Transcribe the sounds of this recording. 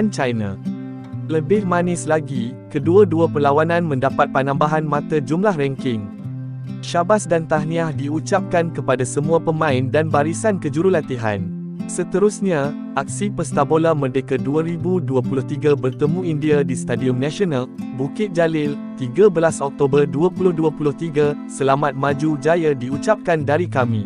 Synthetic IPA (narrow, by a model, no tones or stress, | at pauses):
ant͡ʃajna | ləbɪhmãnɪslaɡikəduaduapərlawanãnmə̃ndapat̪̚panãmbaɦanmãt̪ad͡ʒumlahrɛŋkɪŋ | ʃabasdant̪ahnĩahdiut͡ʃap̚kankəpadasəmũapəmãɪndanbaɾisankəd͡ʒuɾulat̪iɦa̰n | sət̪əɾusɲa | ʔak̚sipəst̪abolamərdekaduaɾibuduapulʊht̪iɡabərt̪əmũindiadist̪adiɔmnãʃionalbukɪt̪̚d͡ʒalɪl | t̪iɡabəlasɔk̚t̪obərduapulʊhduapulʊht̪iɡasəlamãt̪̚mãd͡ʒud͡ʒajadiut͡ʃap̚kandaɾikamĩ